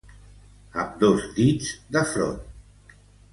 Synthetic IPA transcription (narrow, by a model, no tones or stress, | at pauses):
əmd̪ozd̪id͡zd̪əfɾo̰n